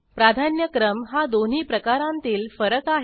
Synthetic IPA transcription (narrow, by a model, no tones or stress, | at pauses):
pɾad̪ʱanjəkɾəmɦad̪on̤iːpɾəkaɾãnt̪iːlfəɾəkaɦ